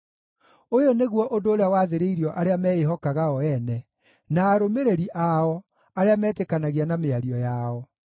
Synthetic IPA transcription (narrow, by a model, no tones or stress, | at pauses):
ojoneɣwɔʔondoːɾeawaðeɾeiɾiɔʔaɾeamɛeɦɔkaɣaɔɛnɛ | naːɾomeɾeɾiʔaɔ | aɾeamɛːtekanaɣianameaɾiɔjaɔ